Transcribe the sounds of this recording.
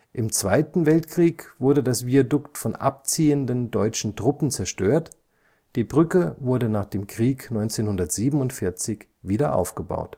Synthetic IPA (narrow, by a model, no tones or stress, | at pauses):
ʔɪmt͡sv̥aɪtn̩vɛltkʁ̥iːkv̥ʊɐdədasviadʊktfɔnʔa̰p̚t͡siːəndəndɔʏt͡ʃn̩tʁ̥ʊpn̩t͡sɛɐʃtøːɐt | d̥iːbʁʏkəvʊɐdənaːχd̥eːmkʁ̥iːknɔʏnt͡seːnhʊndɐtz̥iːbm̩ʊntfɪɐt͡sɪç | viːdɐʔa̰ʊfɡ̥əba̰ʊt